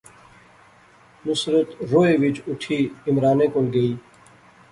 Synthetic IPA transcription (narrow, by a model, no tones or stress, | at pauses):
nʊsɾət̪ɾoːeːʋɪt͡ʃʊʈʰiːɪmɾaːnẽːkolɡəiː